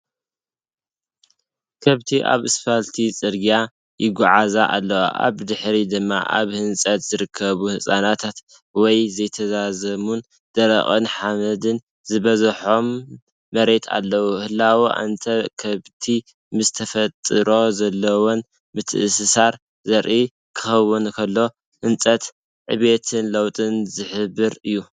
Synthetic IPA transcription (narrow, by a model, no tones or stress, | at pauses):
kʰɐβt̪ʰiʔa̰βɨsfalt̪ʰit͡sʼɨɾɡja | jɪɡuʕazaʔalːɐwa̰ʔa̰βd̪ɨħɾid̪ɨmːa̰ʔa̰βhɨnsʼɐt̪z̥ɨɾɨkʰːɐβuhɨsʼanat̪ʰat̪ | wɔjzɐjt̪ʰɐzazɐmun | d̪̥ɐɾɐ̰χʼɨnħamɐd̪ɨn | zɨβɐzħo̞mː | ɐɾe̞t̪ʰa̰lːɐwuhɨlːawuʔa̰nt̪ʰɐkʰɐβt̪ʰi | mɨzt̪ʰɐfɐt̪ʼɨɾo̞zɐlːɐwon | mɨt̪ʰʔɨsɨsaɾ | zɐɾʔi | kʰɨ̥xɐwunkʰɐlːo̞ | hɨnt͡sʼɐt̪ | ʕɨ̰βe̞t̪ʰɨnlɐwt̪ʼɨnzɨħɨbɨɾɨjːu